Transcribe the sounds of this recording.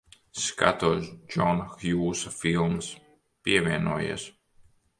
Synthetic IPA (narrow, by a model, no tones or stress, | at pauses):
ska̰t̪uɔsd͡ʒɔnxjuːsafilˠms | piɛvʲiɛnuɔjḛːs